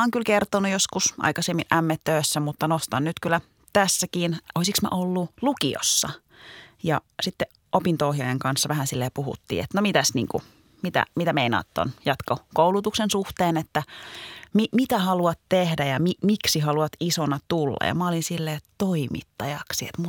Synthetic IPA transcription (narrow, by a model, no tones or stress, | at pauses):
oeŋkylkert̪onujoskusʔɑ̰ikɑsemːinʔæmːet̪tøːsːæmut̪ːɑnost̪ɑnnyt̪kylæ | t̪æsːækiːnoisiksmɑ̰ʔolːulukio̰sːɑ | jɑsit̪ːe | ʔopint̪ohjɑjeŋkɑnsːɑʋæhænsilːeːpuhṵt̪ːḭːḛt̪nomit̪æsnḭːŋkṵ | mit̪æ̰mit̪æmeinɑ̰ːt̪ːo̰njɑt̪kokoulut̪uksensuht̪eːnet̪ːæmimit̪æhɑluɑt̪tehdæjɑmimiksihɑluɑt̪isonɑt̪ulːɑ̰jɑ̰mɑolinsilːeːt̪oimḭt̪ːɑjɑksiḛt̪mu